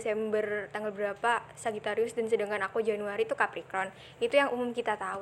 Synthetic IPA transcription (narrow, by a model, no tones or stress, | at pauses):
sɛmbərt̪aŋɡalbəɾapasaɡit̪aɾiʊsdansədaŋkanakud͡ʒanuaɾit̪ukapɾikɾɔn | it̪ujaŋʔumʊmkit̪at̪au